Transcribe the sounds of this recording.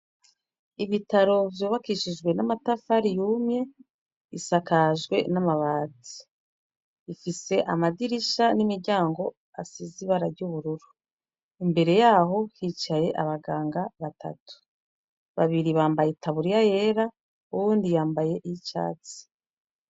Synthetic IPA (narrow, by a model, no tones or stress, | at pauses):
iβitaɾo̞vjoːβakiʃid͡ʒɡwe̞namatafaɾijuːmɲe̞ | isakaʒɡwe̞̰namaβaːt͡sii̥ | ifise̞ʔamadiɾiʃanimiɾɟaːŋɡo̞ | asiziβaɾaɾɟuβuɾuɾu | imbe̞ɾe̞jaːɦo̞hit͡ʃaje̞ʔaβaɡaːŋɡaβatʰa̰tu̥ | βaβiɾiβaːmbajetaβuɾijaje̞ːɾa | uwuːndijaːmbaje̞ʔiit͡ʃa̰ːt͡si̥